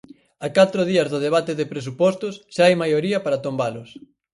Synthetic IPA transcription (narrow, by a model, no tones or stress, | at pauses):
akat̪ɾʊðiɐzðʊð̞eβ̞at̪eðepɾes̬upɔst̪ʊsʃaajmajoɾiɐpaɾɐt̪ombalʊs